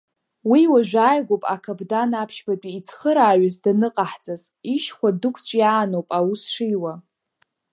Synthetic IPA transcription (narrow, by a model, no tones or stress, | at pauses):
wiwaʒʷᶣaːjɡʷowpʼakʰabdanapʰʃbapʼiːt͡sʰχəɾaːɥazdanɨqʼaħt͡sʼaziʃχʷadɨkʷʰt͡sʷʼjaːnowpʼawusʂijwa